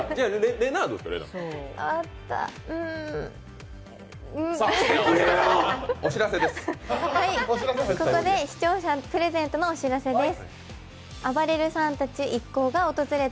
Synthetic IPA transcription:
d͡ʑaɾeɾenaːd̪oska̰ɾḛã̰at̪ːa̰ɯ̟̃ɴ | ɯ̟̃ | oɕiɾased̪eshaiekoko̞d̪e̞çi̥t͡ɕo̞ːɕapɯ̟ɾe̞zẽ̞nt̪o̞noːɕiɾase̞d̪esɨ̥ | abaɾe̞ɾɯ̟sãnt̪at͡ɕiʔikːo̞ːɡao̞t̪o̞zɨɾe̞t̪

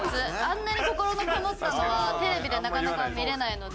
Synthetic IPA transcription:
sɨãnːaɲ̟ʲiko̞ko̞ɾo̞nokanot̪ːano̞βat̪e̞ɾe̞bʲid̪e̞nakanakamʲiɾe̞naino̞d̪

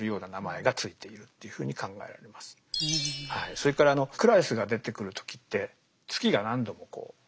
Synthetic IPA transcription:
ɾɯ̟jo̞ːnanamae̞ɡat͡sɨit̪e̞iɾɯ̟t̪ːe̞jɯ̟ɸɯ̟ːɲ̟ikãŋɡa̰e̞ɾa̰ɾe̞masɨ̥haiso̞ɾe̞kaɾaːno̞kɯ̟ɾaisɨɡad̪e̞t̪e̞kɯ̟ɾɯ̟t̪ʰo̥kʲi̥t̪ːe̞ | t͡sɨ̥kʲiɡanãnd̪o̞mo̞ko̞̰ː

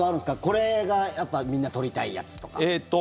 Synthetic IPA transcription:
aɾɯ̟nsɨ̥kako̞ɾe̞ɡajapːamʲĩnːat̪o̞ɾʲit̪aija̰t͡sɨ̥t̪o̞̥ka̰et̪ːo

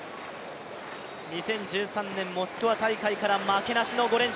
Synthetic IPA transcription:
ɲ̟isẽ̞ɲ̟d͡ʑɨːsãnːẽ̞mːo̞sɨ̥kɯ̟βat̪aikaikaɾamake̞naɕino̞ɡo̞ɾẽ̞ɲ̃

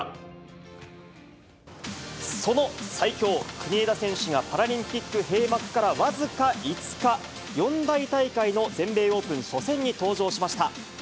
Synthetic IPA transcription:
so̞no̞saikʲo̞ːkɯ̟ɲ̟ied̪asẽ̞ɰ̃ɕɨɡapaɾaɾʲĩmpʲikːɯhe̞ːmakɯ̟̥kaɾaβazɨkait͡sɨ̥ka | jõ̞nd̪ait̪aikaino̞zẽ̞mbe̞ːo̞ːpɯ̟̃ɰ̃ɕo̞sẽ̞ɲ̟ːit̪o̞ːʑo̞ːɕimaɕi̥t̪a

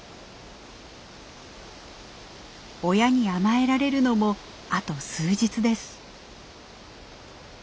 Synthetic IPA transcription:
o̞jaɲ̟iamae̞ɾaɾe̞ɾɯ̟no̞mo̞ | at̪o̞sɨːʑit͡sɨd̪e̞sɨ̥

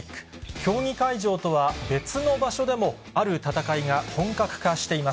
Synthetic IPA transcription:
k | kʲo̞ːɲ̟ʲikaiʑo̞ːt̪o̞βabe̞t͡sɨno̞baɕo̞d̪e̞mo̞ | aɾɯ̟t̪at̪akaiŋahõ̞ŋkakɯ̟̥kaɕi̥t̪e̞ima

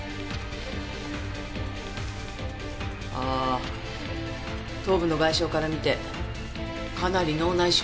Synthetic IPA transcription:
aː | t̪o̞ːbɯ̟no̞ɡaiɕo̞ːkaɾamʲit̪e̞ | kanaɾʲino̞ːnaiɕ

